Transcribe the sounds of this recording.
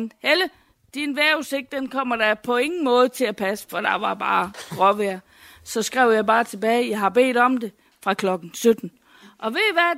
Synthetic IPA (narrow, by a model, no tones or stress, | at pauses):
nhelə | d̥inʋæɐuse̝ɡ̥̚d̥enkʰɒ̽m̰ɐd̥ɑpʰɒ̽e̝ŋn̩mɔ̽ːð̞̩ˠət͡sʰe̝læpʰæsə̥fɒd̥ɑ̈ʋɑ̈b̥ɑ̈ːɡ̥ʁɒʋæɐ̰ | sɒ̽sɡ̥ʁɛʊ̰jɑ̈ɪb̥ɑ̈ːt͡sʰe̝b̥ɛːɪjɑ̈ɪɦɑ̈b̥e̝̰ːd̥ɒ̽md̥e̝ | fʁɑ̈kʰlɒ̽ɡ̥n̩sød̥n̩ | ʔɒ̽ʋe̝ʋæ